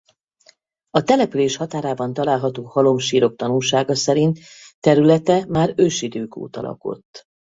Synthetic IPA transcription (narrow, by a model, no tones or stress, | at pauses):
ɒt̪ɛlɛpyleːʃhɒt̪aːɾaːbɒnt̪ɒlaːlɦɒt̪oːhɒlo̞mʃiːɾo̞k̚t̪ɒnulʃaːɡɒsɛɾint̪ | t̪ːɛɾylɛt̪ɛmaːɾøʃid̪øːko̰ːt̪ɒ̰lɒ̰ko̞̰t̪ː